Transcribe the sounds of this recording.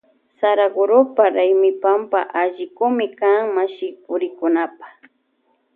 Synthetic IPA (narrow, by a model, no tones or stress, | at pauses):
saɾaɡʊɾʊpaɾajmɪpampaʔaʒɪkʊmɪkaŋmaʃɪpʊɾɪkʊnapḁ